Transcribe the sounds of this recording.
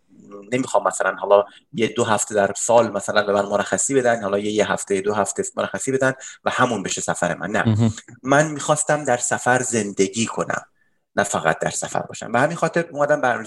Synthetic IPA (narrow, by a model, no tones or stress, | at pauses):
ne̞miːxɒːmːæsælænhɒːlɒ | jed̪oɦæft̪ʰed̪æɾsɒːlmæsælænbe̞mænmoɾæxːæsiːbe̞d̪ænd̪hɒːlɒːjejeɦæft̪ʰejed̪oɦæft̪ʰemoɾæxːæsiːbe̞d̪ænd̪væhæmunbeʃesæfæɾḛmæ̰nːæ̰mænmiːxɒːst̪æmd̪æɾsæfæɾze̞nd̪e̞ɡiːkʰo̞næ̰m | næfæɣæ̰t̪̚ʰd̪æ̰ɾsæ̰fæ̰ɾbɒ̰ːʃæ̰mbehæminxɒːt̪ʰe̞ɾuːmæd̪æmbæ